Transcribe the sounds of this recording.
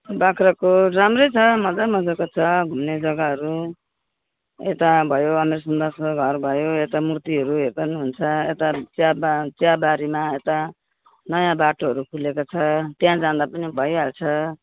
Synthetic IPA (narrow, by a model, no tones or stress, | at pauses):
bakʰrʌkoramrʌjt͡sʰʌmʌd͡zamʌd͡zakot͡sʰʌɡʱumned͡zʌɡaɦʌɾu | et̪abʱʌjoʌmeɾsʌnd̪asoɡʱʌrbʱʌjoet̪amurt̪iɦʌɾuɦerd̪ʌnuɦunt͡sʰʌet̪at͡sabt͡sjabaɾimaet̪a | nʌjãbaʈoɦʌɾukʰulekot͡sʰʌt̪jãd͡zãd̪apʌnibʱʌjalt͡sʰʌ